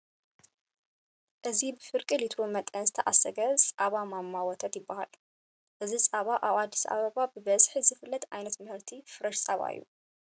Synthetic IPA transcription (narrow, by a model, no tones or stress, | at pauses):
ʔɨzibɨfɨɾkʼɨlit̪ʰɾomɐt̪ʼɐnzɨt̪ʰɐʔasɐɡɐsʼʔaβamamːawɔt̪ʰɐt̪jɪbːaha̰l | ʔɨzisʼaβaʔaβad̪ːisɐʔa̰βɐβabɨβɐzħizɨfɨlːɐt̪ʔajnɐt̪mɨhɨɾt̪ʰifɨɾɐʃsʼɐβa̰ḭjːṵ